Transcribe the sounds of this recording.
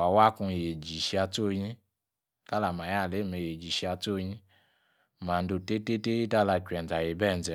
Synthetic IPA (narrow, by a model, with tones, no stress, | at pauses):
a˨wa˦kũ˧˨je˨d͡ʒi˨ʃi˧a˧to˦˨˦ɲĩ˦ | ka˦la˨ma˨ja˦˨le˨˦˨me˨je˨d͡ʒi˨ʃi˧a˧to˦˧jĩ˦˨ | ma˨n˦do˨te˦te˦te˦i˦ta˦la˧kɛ˨n˨d͡za˨je˨bɛ˦˨n˨zɛ˨